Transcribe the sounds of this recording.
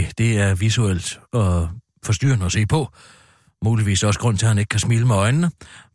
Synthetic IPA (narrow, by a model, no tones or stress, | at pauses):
d̥e̝æɐʋisuel̰d̥ɒ̽ | fɒ̽sd̥y̰ːɐnəɒse̝̰ːpʰɒ̽ | muːliʋḭːsɒ̽səɡ̥ʁɔ̽n̰t͡sʰe̝hæneɡ̥kʰæsmiːləmeɒ̽ɪnnə